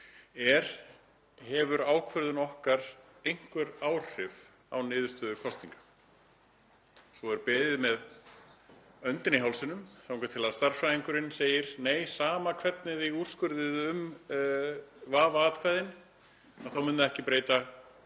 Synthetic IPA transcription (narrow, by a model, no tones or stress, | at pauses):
ɛɾ̥ | hɛvʏɾaːwkʰvœɾðʏnɔhkaɾ̥ejŋ̥kvɛɾaːwr̥ɪv | a̰wnɪːðʏ̥ɾst̪œːðʏkʰɔst̪niŋkḁ | sɔɛɾpɛːðɪðmɛð | œnt̪ɪnɪɦawlsɪnʏmθaw̃ŋkat̪ʰɪlaðst̪ar̥fɾajiŋkʏɾɪnseːjɪɾ̥neːjsaːmakʰvɛt̪nɪðɪur̥skʏɾðɪðʏm | vaːvaaːt̪kʰvaːjðɪn | aθawmʏnðʏɛhcɪpɾeːjt̪a